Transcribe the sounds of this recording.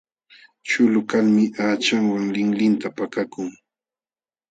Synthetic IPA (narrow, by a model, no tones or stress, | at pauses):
t͡ʃʊlʊkalmɪʔaːt͡ʃaŋwaŋlɪŋlɪnt̪apakakʊŋ